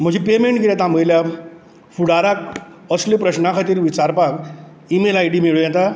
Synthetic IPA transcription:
m̤əd͡ʑipemeɳʈɡiɾjat̪ãməjlja | fuɽaɾak̚ | əslipɾəɕnakʰat̪iːɾʋit͡ɕaɾpak | imelajɖiːmeɭojɛt̪a

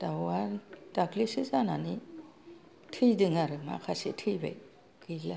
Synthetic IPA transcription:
d̥awadaklisɯzanani | tʰɯjdɯŋaɾɯma̰kʰasitʰɯjbḛj | kɯla

